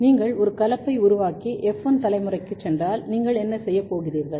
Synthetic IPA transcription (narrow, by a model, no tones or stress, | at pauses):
niːŋɡɐɭɔɾɯkɐlɐpːɐɪʊɾʊʋaːkiʔɛfɐnt̪ɐlɐɪmɯrɐɪkːɯt͡ʃːɛndraːlniːŋɡɐɭɛnːɐsɛjːɐpːoːɣɪriːɾɣɐɭ